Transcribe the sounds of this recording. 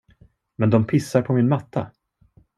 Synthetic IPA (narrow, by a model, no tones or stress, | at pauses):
mɛnd̪ɔmpʰɪsːaɾpʰɔmɪnmat̪ːa